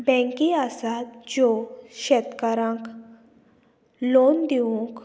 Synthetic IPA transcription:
bɛ̃ŋkiasat̪d͡ʑoʃet̪kaɾãk | loːnd̪iũk

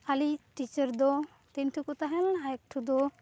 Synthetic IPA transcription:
alitit͡ʃəɾd̪ɔ | t̪entʰukut̪aɦɛlɦajk̚ʈʰud̪ɔ

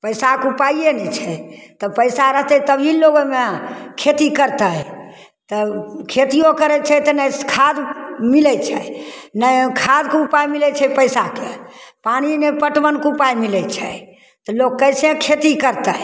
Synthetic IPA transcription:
pəjsakupaijenɛt͡ʃʰɛt̪ɔpəɪsaɾəɦt̪ɛt̪əbʱiloɡomekʰet̪ikəɾt̪ə | t̪ɔkʰet̪ijokəɾɛt͡ʃʰɛt̪ənəjkʰad̪milɛt͡ʃʰɛnəkʰad̪kupajmilɛt͡ʃʰɛpəjsakepañinepəʈʋənkupajmilɛt͡ʃʰɛ | t̪ɔloɡkəjsẽkʰet̪ikəɾt̪ə

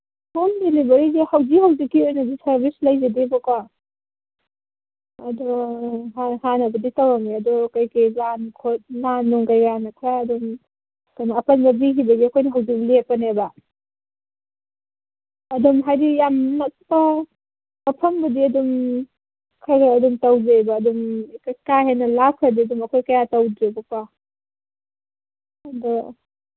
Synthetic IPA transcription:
pʰomdelibɐɾizihawzikhawzikːiojnɐdisɐɾbislɐjzedibɔka | ɐdɔɦahanɐbɐditɐwaŋeɐdɔkajkajlankʰot̚nanːuŋkajɡɾanɐkʰɾaɐdum | kajnɐːpɐnbɐbiɦibɐɡiɐkʰojnɐɦawzik̚lepːɐnebɐ | ɐdumɦajdijamnɐk̚pɐ | mɐpʰɐmbɐdiɐdum | kʰajɡaːdumtɐwzejbɐːdumkakaɦenɐlakʰɐdiɐdumɐkʰojkɐjatɐwdɾebɐpa | dɔ

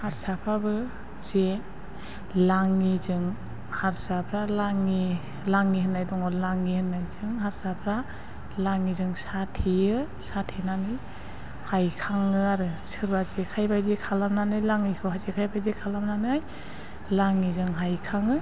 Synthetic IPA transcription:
haɾsapʰabɯ | z̥e | laŋːizɯŋ | haɾsapʰɾalaŋi | laŋiɦɯnːajdɔŋɔlaŋːihɯnːajzɯŋɦaɾsapʰɾa | laŋizɯŋsatʰiɯ | satʰinanɯ | hajkʰaŋɯaɾɯsɯɾbazekʰajbajzekʰalamnanɯjlaŋːikʰɯɦazekʰajbajzekʰalamnanɯaj | laŋizɯŋɦajkʰaŋɯ

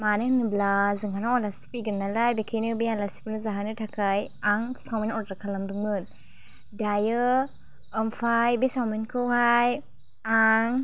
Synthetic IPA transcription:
manɯnɯblazɯŋaɾaŋɔlasti̥piɡɯnːalajbekʰejnɯbialasi̥pinɯzaɦanɯtʰakʰaj | aŋsawminɔtɾakʰalamduŋɯn | dajɯː | mfajbesawminkʰɯwhaj | aŋ

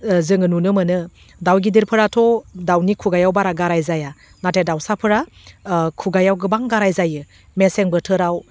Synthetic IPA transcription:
zɯŋɯnunɯmɯnɯ | dawɡidiɾpʰɯɾatʰɔdawnikʰuɡajawbaɾaɡaɾajzaja | natʰedawsapʰɯɾa | kʰuɡajawɡɯbaŋɡaɾajzajɯ | meseŋbɯtʰɯɾaw

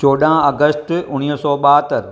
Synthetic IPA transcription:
t͡ɕoːɗãɐɡəsʈʊñiɦsɔːɓaɦt̪əɾ

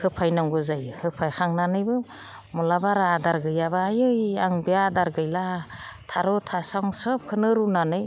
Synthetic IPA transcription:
hɯpʰajnaŋɡɯzajhɯpʰajkʰaŋnanɯjbɯ | mulabaɾaadaɾɡɯjabaajɯjaŋbiaːdaɾɡɯjlatʰaɾɔtʰasaŋsɯp̚kʰɯnɯɾunanɯj

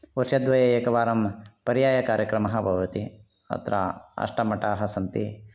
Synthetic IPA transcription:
uɾʂjɐd̪ʋɐjɐeːkɐʋaːɾɐmpɐɾijaːjɐkaːɾjɐkɾɐmɐɦɐbʱɐʋɐt̪i | ɐ̰t̪ɾɐ̰ɐ̰ʂʈɐmɐʈaːɦɐsɐnt̪i

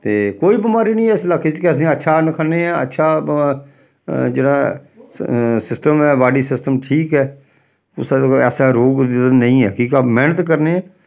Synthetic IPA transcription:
t̪eːkoːibɪmaːɾiːnəĩːɛːslaket͡ʃkɛːt̪ʰeɛ̃ətːʃʰaːnəkʰaneɛ̃ːə̰tːʃʰaː | d͡ʒəɽãː | sɪsʈəmɛːbaːɖisɪsʈəmʈʰiːkɦɛː | ʊ̰sɛːsaɾoːɡd̪ɪd̪ənə̃ĩɛ̰əkiːkamɛːnət̪kəɾneɛ̃ː

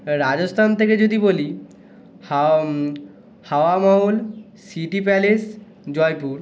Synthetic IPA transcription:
ɾad͡ʑost̪ʰant̪ʰeked͡ʑod̪iboli | haoamawl | siʈipɛles | d͡ʑɔjpuɾ

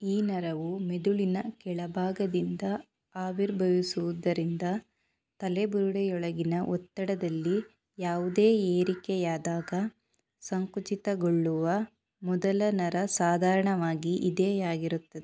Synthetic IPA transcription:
iːnɐɾɐʋumed̪uɭinɐkɛɭɐbʱaːɡɐd̪ind̪ɐ | aːʋiɾbʱɐʋisuʋud̪ɐɾind̪ɐ | t̪ɐlebuɾuɽɛjɔɭɐɡinɐʔɔt̪ːɐɽɐd̪ɐlːi | jaːʋud̪eːeːɾikɛjaːd̪aːɡɐ | sɐŋkut͡ʃit̪ɐɡoɭːuʋɐ | mɔd̪ɐlɐnɐɾɐsaːd̪ʱaːɾɐɳɐʋaːɡiʔid̪eːjaːɡiɾut̪ːɐd̪e

